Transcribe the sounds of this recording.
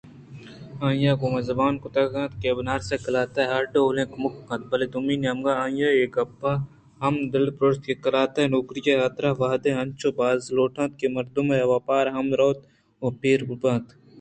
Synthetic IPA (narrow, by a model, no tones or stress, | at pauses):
ãːjaːkomɐzɐbaːnkʊt̪aɡãːt̪keːbnaːɾsekɐlaːt̪aɦɐɾɖoolẽːkmʊkkɐ̃t̪̚bɐled̪umiːnɐmɡaaːjaːeːkɐpːaː | hɐmd̪ɪlpɾoːɾst̪kekɐlaːt̪anokɾijajaːt̪ɾaːʋaːd̪ẽɐnt͡ʃʰoːbaːzloːʈʰãːt̪̚kemɐɾd̪umeɐʋaːpaːɾɦɐmɾoːt̪ | opeːɾbubãːt̪